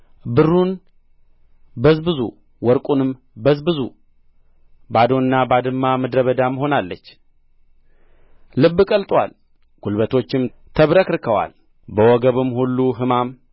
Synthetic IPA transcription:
bɨrːun | bəzbɨzṵ | wɔɾkʼunɨm | bəzbɨzu | bad̪o̞nɨnːabad̪ɨmːaməd̪ɾəβəd̪aməɦo̞nalːət͡ʃː | lɨbːɨkʼəlt̪ʼwa̰l | ɡ̥ulbət̪ʰo̞t͡ʃːɪmt̪ʰəβɾəkɨɾkʰəwa̰l | bəwɔɡəβɨmːhulːuɦɨmam

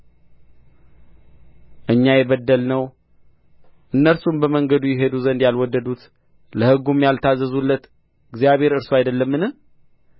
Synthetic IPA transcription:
ʔɨɲːajɛβəd̪ːəlnəw | ʔɨnːəlsumbəməŋɡəd̪ujɛɦe̞d̪uzənd̪jalwɔd̪ːəd̪ut̪ | ləhɨɡumjalt̪ʰazːəzulːət̪ | ɨɡzijaβhe̞ɾɨɾsoajd̪əlːəmːɨnɨh

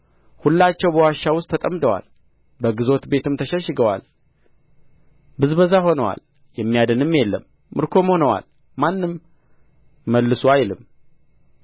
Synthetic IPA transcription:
hulːat͡ʃːɛwbəwaʃːawʊst̪ʰːət̪ʼəmd̪əwa̰l | bəɡɨzo̞t̪be̞t̪ɨmt̪ʰəʃɛʃːɨɡəwa̰l | bɨzbəzaho̞nəwa̰l | jɛmːijad̪ənɨmːjɛlːəmː | ɨɾkʰo̞mho̞nəwa̰l | manːɨm | əlːɨsuajlɨm

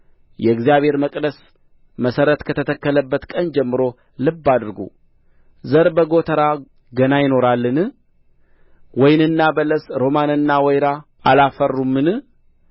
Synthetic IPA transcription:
jɛɨɡzijaβhe̞ɾməkʼd̪əs | məsəɾət̪kʰət̪ʰət̪ʰəkːələbːət̪kʼənd͡ʒɛmːɨɾo̞ | lɨbːad̪ɨɾɡṵ | zəɾbəɡo̞t̪ʰəɾa | ɡənajɪno̞ɾalːɨnɨ | wɔjnɨnːabələsɾo̞manɨnːawɔjɾa | alafərːumːɨnɨ

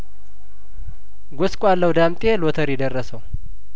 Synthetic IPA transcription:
ɡoskʼalːəwd̪amt̪ʼelot̪ʰəɾjɛd̪ərːəsəw

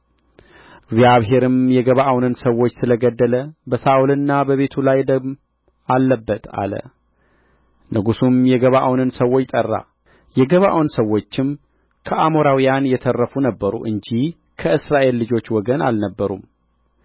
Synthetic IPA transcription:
ʔɨɡzjaβɦe̞ɾɨmjɛɡəβaʔawnɨnsəwːo̞t͡ʃːsɨləɡəd̪ːələbəsaʔulɨnːabəβe̞t̪ʰulajd̪əm | alːəbːət̪ʰa̰lə̰ | nɨɡusumjɛɡəβaʔawnɨnsəwo̞t͡ʃːt̪ʼərːa̰ | jɛɡəβa̰ʔawnsəwːo̞t͡ʃːɪm | kʰəʔamo̞ɾawijanjɛt̪ʰərːəfunəbːəɾṵʔɨɲd͡ʒih | kʰəɨsɾaʔe̞lːɨd͡ʒo̞t͡ʃːwɔɡəna̰lnəbːəɾṵm

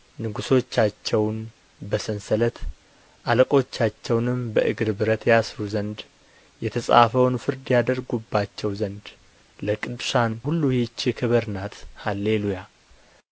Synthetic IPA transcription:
nɨɡuso̞t͡ʃːat͡ʃːɛwn | bəsɨnsələt̪ | ʔaləkʼo̞t͡ʃːat͡ʃːɛwnɨmbəʔɨɡɾbɨɾət̪jasɾuzənd̪ | jɛt̪ʰəsʼa̰fəwnfɨɾd̪jad̪əɾɡubːat͡ʃːɛwzənd̪ | ləkʼɨd̪ʃanhulːuhit͡ʃːɪkʰɨβəɾnat̪halːeluja

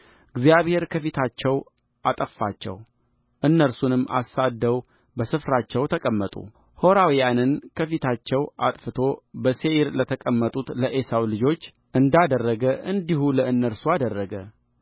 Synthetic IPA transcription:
ɨɡzijaβhe̞ɾkʰəfit̪ʰat͡ʃːɛw | ʔat̪ʼəfːat͡ʃːɛ̰w | ʔɨnːəɾsunɨmːa̰sad̪ːəw | bəsɨfɾat͡ʃːɛwt̪ʰəkʼəmːət̪ʼṵ | ho̞ɾawijanɨnkʰəfit̪ʰat͡ʃːɛwat̪ʼfɨt̪ʰo̞bəse̞iɾlət̪ʰəkʼəmːət̪ʼut̪ləʔesawlɨd͡ʒo̞t͡ʃː | ʔɨnd̪ad̪ərːəɡəʔɨnd̪ihuləɨnːəɾsuad̪ərːəɡə

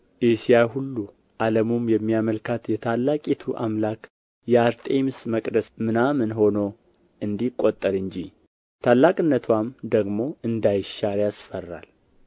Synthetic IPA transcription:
ʔesijaɦulːu | ʔaləmomjɛmːijaməlkʰat̪jɛt̪ʰalːakʼit̪ʰuʔa̰mlakʰʼ | jɛaɾt̪ʼemsməkʼd̪əsmɨnamɨnɦo̞no̞ | ʔɨnd̪ikʼːot̪ʼːəɾɨɲd͡ʒi | t̪ʰalːakʼɨnːət̪ʰwamd̪əɡmo̞ɨnd̪ajʃaɾjasfərːa̰l

